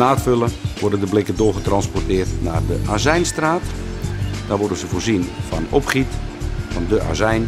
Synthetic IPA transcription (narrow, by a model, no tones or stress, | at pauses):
naːtføləʋʊrdəndəblɪkədʊːɣətrɑnspɔrtɪːrtnaːrdəʔaːzɛjnstraːt | d̥aːrʋʊrdənzəfoːrzinfɔnopχitfɔndəʔa̰ːzɛjn